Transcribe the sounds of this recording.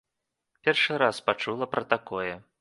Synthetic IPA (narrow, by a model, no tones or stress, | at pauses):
pʲɛrʂɨɾaspat͡ʂulˠɐpɾʔɐt̪akɔjɛ